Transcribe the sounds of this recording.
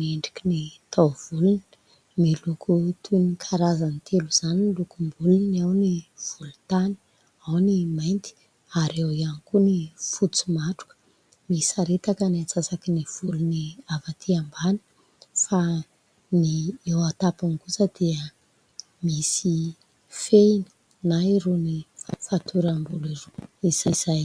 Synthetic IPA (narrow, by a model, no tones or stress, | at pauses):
eɳɖ͡ʐi̥kinit̪ʰawv̥ulun | milukʰut̪ʰunikʰaɾazanit̪ʰeluz̥anilukumbulunawniv̥ulut̪ani̥ | awnimajnt̪i̥ | aɾewianikunifut͡sumaʈ͡ʂu̥kə̥ | misaɾet̪akənat͡sasakiniv̥uluniavat̪ʰiambani̥ | fa | niewat̪apunikusəd̪̥iə | misi | feinə̥ | naiɾunifat̪ʰuɾambuliruiz̥az̥aj